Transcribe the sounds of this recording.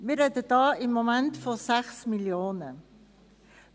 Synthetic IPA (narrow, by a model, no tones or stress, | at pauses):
miəɾɛtədɑːɪmːomæntfosæxsmiljoːnə